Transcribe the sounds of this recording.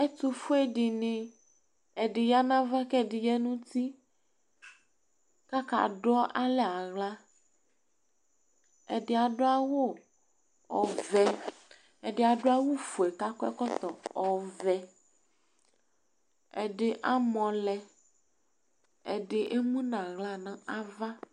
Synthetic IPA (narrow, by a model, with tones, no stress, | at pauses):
ɛ˦t̪u˨fo˦e˦ɖɪ˨nɪ̃˨ | ɛ˨ɖɪ˨ja˦nã˦va˦kɛ˦˨dɪ˨jɛ˦nũ˦t̪i˦ | ka˦ka̰˨ɖɔ˦ʔa˦lɛ˦a˨ɣla˦ | ɛ˨dɪ˨a˨ɖʊ˦a˦wo˦ | ɔ˨vɛ˨ | ɛ˨ɖɪ˨a˨ɖo˦a˦wo˦fo˨ɛ˨ka˦kɔ˦ɛ˦kɔ˦t̪ɔ˨ɔ˨vɛ˨ | ɛ˨ɖe˨ʔa˦mɔ̃˨lɛ˨ | ḛ˨ɖɪ˨ʔe˦mũ˦nã˨ɣla˦nã˨ʔa˦va˦